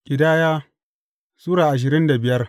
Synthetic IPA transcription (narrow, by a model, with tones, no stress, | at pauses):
kʲʼɪ˨daː˦jaː˦ | suː˦ɽaː˨ʔa˨ʃ̬ɪ˨ɾɪ˦nda˨bɪ˨jɐ˦r